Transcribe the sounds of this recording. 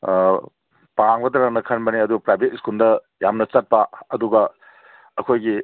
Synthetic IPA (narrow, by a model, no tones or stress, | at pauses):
paŋbɐdɐɾaŋnɐkʰɐnbɐniɐdupɾajbʱetiskuldɐ | jamnɐt͡ʃɐt̚paɐduɡɐ | ɐkʰojɡi